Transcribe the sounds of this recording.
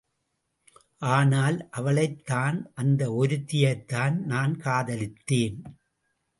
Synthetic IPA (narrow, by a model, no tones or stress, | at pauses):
ʔaːnaːlʔɐʋɐɭɐɪt̪ːaːnʔɐnd̪ɐɔɾɯt̪ːɪjɐɾt̪ːaːnnaːnkaːðɐlɪt̪ːeːn